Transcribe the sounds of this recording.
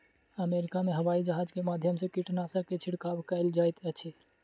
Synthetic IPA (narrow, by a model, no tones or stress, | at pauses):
əmeɾikameɦəʋaid͡ʒəɦad͡ʒkemad̪ʱjəmsẽkiʈnasə̃ket͡ʃʰiɽkabkəɪld͡ʒajt̪ɛt͡ʃʰɛ